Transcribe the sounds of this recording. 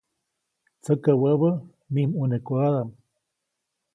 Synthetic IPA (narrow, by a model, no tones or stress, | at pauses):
t͡səkəwəβə | mimunekuaðam